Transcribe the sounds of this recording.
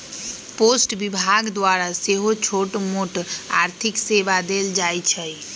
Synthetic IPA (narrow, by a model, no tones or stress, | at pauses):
posʈbibʱaɡd̪waɾaseɦot͡ʃʰoʈmoʈa̰ɾt̪ʰikseʋad̪eld͡ʒajt͡ʃʰəj